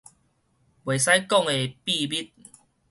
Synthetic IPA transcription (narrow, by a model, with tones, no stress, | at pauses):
bwe˨˩js̬a˦jkɔ˥˨ŋe˨pi˥˧bi˦˥t̪̚